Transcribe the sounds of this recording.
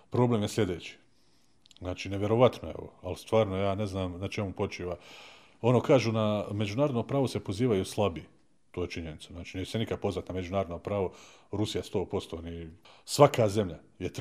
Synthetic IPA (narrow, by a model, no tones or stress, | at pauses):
pɾo̞ble̞ːmjeslʲe̞d̪eːt͡ɕi̥ | znaːt͡ʃiːneʋʲje̞ɾo̞ʋat̪noḛʋo̰alst̪ʋaːɾnojaːne̞znaːmnat͡ʃe̞mupo̞t͡ʃiːʋa | o̞no̞ːkaːʒuːname̞d͡ʑunaːɾo̞d̪nopɾaːʋo̞se̞po̞ziːʋajuslˠabiː | t̪oːjet͡ʃiɲenit̪saznaːt͡ʃiːnɛt͡ʃsenikad̪̚po̞znat̪name̞d͡ʒunaːɾod̪nopɾaːʋoɾusijast̪o̞ːpo̞st̪oːnisʋakaːze̞mʎa | jet̪